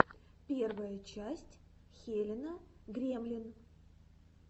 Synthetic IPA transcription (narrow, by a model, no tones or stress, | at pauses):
pʲe̞rvəjət͡ɕæsʲtʲxʲelʲɪnəɡɾʲemlʲɪn